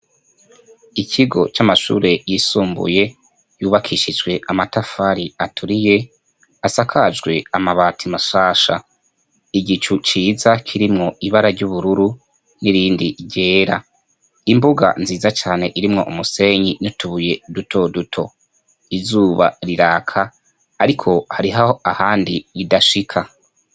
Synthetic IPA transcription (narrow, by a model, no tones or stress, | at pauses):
ikʰiɡo̞t͡ʃamaʃṵːɾe̞jisuːmbṵje̞ | juːβakʰiʃid͡ʒɡwe̞amatafaɾiatʰuɾije̞ | asakʰad͡ʒɡwe̞amaβaːtʰimaʃaːʃa | iɡit͡ʃut͡ʃiːzakʰiɾimŋo̞iβaɾaɾɟuβuɾuɾu | niɾiːndiɟe̞ːɾa | imbuɡa̰nziːzat͡ʃaːne̞ʔiɾimŋo̞ʔumuse̞ɲinutuβuje̞dutʰo̞dutʰo̞ | izuːβa̰ɾiɾaːkʰaː | ɾikʰo̞haɾiɦahoahaːndijidaʃikʰa